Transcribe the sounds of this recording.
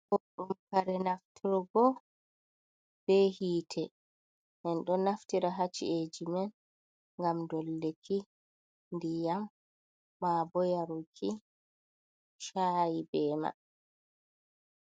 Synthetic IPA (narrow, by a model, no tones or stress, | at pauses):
kɔɗumkaɾɛnaftiɾɡɔ | b̥ɛhiːtʰɛ | ʔɛnɗɔnaftiɾaɦat͡ʃːḭed͡ʒimɛn | ŋɡamdɔlːekʰi | ndijamː | abɔjaɾukʰi | ʃajibɛːma̰